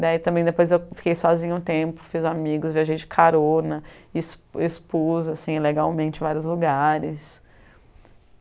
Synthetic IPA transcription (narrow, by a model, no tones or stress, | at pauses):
d̪ait̪ɐ̃mbẽj̃d̪epojzewfi̥kejsɔzĩɲʊʊ̃t̪ẽmpʊ̥fizamiɡʊzviaʒejd͡ʒɪkʰaɾonɐɪsespozʊasĩileɡawmẽnt͡ʃɪ̃vaɾjʊzluɡaɾɪs